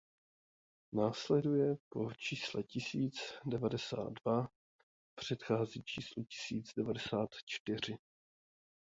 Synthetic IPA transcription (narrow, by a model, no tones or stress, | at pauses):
naːslɛdujɛpo̞t͡ʃiːslɛcɪsiːt͡sdɛvadɛsa̰ːd̚dva | pr̝̥ɛt̪xaːziːt͡ʃiːslucɪ̥siːd͡zdɛvadɛsaːt̪t͡ʃt̪ɪr̝ɪ